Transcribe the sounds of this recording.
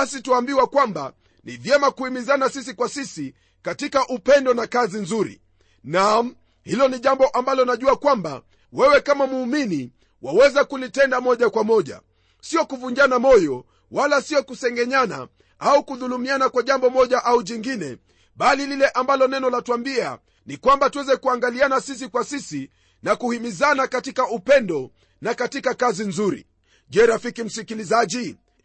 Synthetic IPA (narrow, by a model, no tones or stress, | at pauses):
asituaːmbiwakwamba̰ | nivjɛmakuimizanasis̬ikwasisi | katikaʔupɛndɔnakazinzuɾḭ | na | hilɔniʄambɔʔambalɔnaʄuakwamba̰ | wɛwɛkamamuːmini | wawɛzakulitɛndamɔʄakwamɔʄa̰ | siɔkuvuɲd͡ʒanamɔjɔ | walasiɔkusɛŋɡɛɲana̰ | aukuðulumianakwaʄambɔmɔʄaʔauʄiŋɡinɛ | ɓalililɛʔambalɔnɛnɔlatwambia̰ | nikwambatuwɛzɛkuaŋɡalianasis̬ikwasisi | nakuhimizanakatikaupɛndɔ | nakatikakazinzuɾḭ | ʄɛɾafikim̩sikilizaʄi